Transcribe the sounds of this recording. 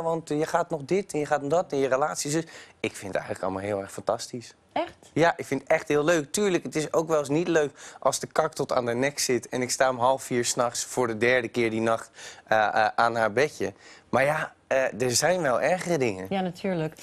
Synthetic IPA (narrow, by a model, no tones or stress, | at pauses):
ʋɑntjəχaːtnɔχdɪtɛnjəχaːtɔdɔtɪnjərəlaːtsis̬døsɪkfɪnətɛ̰jxənləkɑ̰lˠmalˠɦɪːlˠɛɹxfɑntɑstis | ɛxtjaʔɪkfɪnətɛxtɦɪːlˠløɥk̚tyːɹləkətɪsowkʋɛlˠs̬nitløɥkʔɑlˠzdəkɑk̚tɔta̰ːndənɛksɪtɛnɪkstaːəmɦɑlˠfiːɹsnɑχsfʊːɹdədɛɹdəkɪːɹdinɑχtəʔaːnɦaːɹbɛcəmaːɹja | ədəɹzɛjnʋɛlˠʔɛɹχərədɪŋənjanatʰyːɹlək